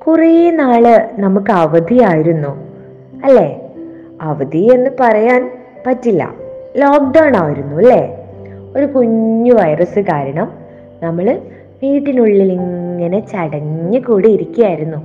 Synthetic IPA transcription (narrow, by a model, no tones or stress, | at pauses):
kurijnaːɭɨnɐmukːɨɐʋɐd̪ijaːjiɾunːu | ɐlːe̞ | ɐʋɐd̪ie̞nːɨpɐrɐjaːn | pɐtːilːɐ̰loːk̚ɖɐwɳaːjiɾunːuɐlːeo̞ɾukuɲːuʋɐjrɐsɨkaːɾɐɳɐm | nɐmːɐɭɨ | ʋiːʈːinuɭːiliŋŋːɐne̞t͡ɕɐɽɐɲːɨkuːɽiiɾikʲːujaːjiɾunːu